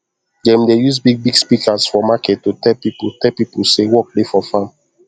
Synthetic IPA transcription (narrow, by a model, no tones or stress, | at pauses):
ɡɛ̃mdejus̬biɡ̚biɡspikasfɔmakɛttotɛpiputɛlpipusewɔk̚defɔfãm